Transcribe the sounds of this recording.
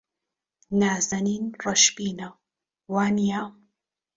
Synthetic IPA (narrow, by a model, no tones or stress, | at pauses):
naːzɐniːnrˤɐʃpiːnɐw | waːnijaːm